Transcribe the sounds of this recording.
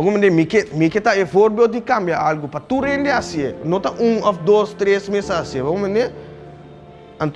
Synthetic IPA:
bɐɡumɐ̃nd̪emikemiket̪aefoːɾbjoːd̪ikambjaaːlɡupɐt̪uɾẽndeasijenõt̪ɐʔũːɔfd̪oːst̪ɾeːsmẽsaːsiebɐɡumɐ̃nd̪e | ɐnt̪

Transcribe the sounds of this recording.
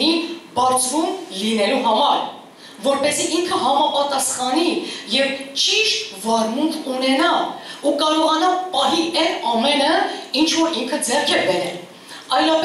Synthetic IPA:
ibɑɾt͡sʰɾumlinɛluɦɑmɑɾ | vɔɾpɛsiʔiŋkʰəɦɑmɑpɑt̪ɑsχɑnijɛvt͡ʃiʃvɑrmuŋkʰunɛnɑukɑɾɔʁɑnɑpɑɦiɛnɑmɛnəint͡ʃʰvɔɾiŋkʰəd͡zɛrkʰɛbɛɾɛl | ɑjnɑp

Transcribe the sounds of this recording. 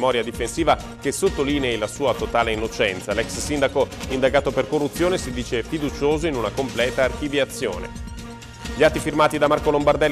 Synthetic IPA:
mɔːɾjad̪ifensiːva | kesot̪ːoliːneilasuːat̪ot̪aːleinːot͡ʃɛnt̪salɛkssind̪akoind̪aɡaːt̪operkorːut̪sːjoːnesid̪iːt͡ʃefid̪ut͡ʃoːzoinunakomplɛːt̪aːrk̟ivjat̪sːjo̰ːnḛ | ʎiat̪ːifirmaːt̪id̪amarkolombard̪ɛlː

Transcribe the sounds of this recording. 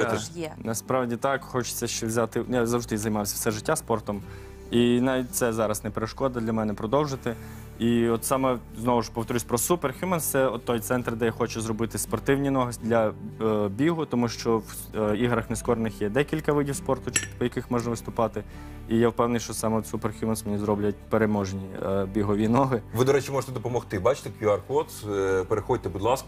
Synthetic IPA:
ɛnɐspɾɑwdʲit̪ɑkxɔt͡ʃɪ̥t͡sʲːɐʃt͡ʃɛwzʲɑt̪ɪjazɐwʒɪt̪ɪjzɐjmɑwsʲɐwsɛʒɪtʲːaspɔrt̪ɔm | inɑʋʲit̚ʲt̪sɛzɑɾɐsnɛpeɾeʃkɔd̪ɐd̪lʲɐmɛnɛpɾɔd̪ɔwʒɪt̪ɪ | iɔt̪sɑmɛ | znɔʋʊʃpɔwt̪ɔɾʲusʲpɾɔsuperxʲjumɛnt̪sɛɔt̪ːɔjt̪sɛnt̪ɾd̪ɛjaxɔt͡ʃʊzrɔbɪt̪ɪspɔrt̪ɪwnʲinɔɦɐsʲd̪lʲɐ | bʲiɦʊt̪ɔmuʃt͡ʃɔw | iɦɾɐxneskɔɾenɪxjɛd̪ɛkʲilʲkɐʋɪdʲiwspɔrt̪ʊt͡ʃjɐkɪxmɔʒnɐʋɪst̪ʊpɑt̪ɪ | ijawpɛwnɪjʃt͡ʃɔsɑmɛɔd̪superxʲjumɛnsmenʲizɾɔblʲɐtʲpeɾemɔʒenʲibʲiɦɔʋʲinɔɦɪʋɪd̪ɔɾɛt͡ʃimɔʒet̪ɛd̪ɔpɔmɔxt̪ɪbɑt͡ʃɪ̥t̪ekjuɐrkɔt̪speɾexɔd̚ʲt̪ɛbud̪lˠɑskɐ

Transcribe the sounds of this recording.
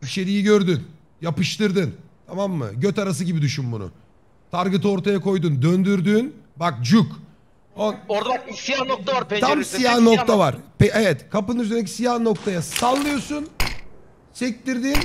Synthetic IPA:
yʃeɾijiɟøɾd̪yn | japɯʃt̪ʰɯɾd̪ɯnt̪ʰamamːɯ̰ɟøt̪aɾas̬ɯɟibid̪yʃynbunʊ̰ | t̪ʰaɾɡɯt̪ʰɯo̞ɾt̪ʰajako̞jd̪und̪ønd̪yɾd̪yːnbak̚d͡ʒyk | oɾd̪aijanok̚t̪ʰaaɾpt̪ʰamsijahno̞k̪ʰavaɾpɛevɛt̪kʰapɯnɯnyzenec̬i̥sijahno̞k̚t̪ʰajasalˠːɯjo̞sun | sɛc̚t̪iɾd̪in

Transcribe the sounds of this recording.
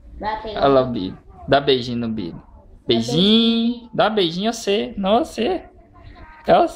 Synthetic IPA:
alabḭbʊd̪abejʒĩnʊbḭdʊbeʒĩd̪abejʒĩɲɛsenɐ̃w̃ese | ɛ

